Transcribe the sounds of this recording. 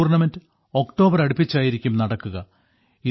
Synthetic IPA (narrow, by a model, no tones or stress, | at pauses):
rnɐmendɨ | o̞kʈo̞ːbɐɾɐɽupːit͡ɕːaːjiɾikʲːumnɐɽɐkːuɣɐ | i